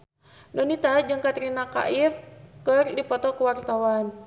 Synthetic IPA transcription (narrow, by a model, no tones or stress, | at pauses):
nɔnit̪ad͡ʒəŋkat̪ɾinaka̰ʔifkɨrdipɔt̪ɔkuwart̪awan